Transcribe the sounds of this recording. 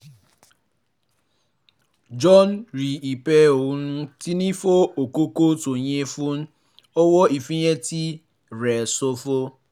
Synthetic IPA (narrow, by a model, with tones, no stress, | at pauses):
d͡ʒɔ˦n˦ɾi˨i˨pɛ˦o˨wu˦n̩˦ti˦ni˦fo˦o˨ko˦ko˦to˨ɲe˦fu˦n̩˦ | o˦wɔ˦i˨fi˦ɲe˦ti˦ | ɾɛ˨so˦fo˦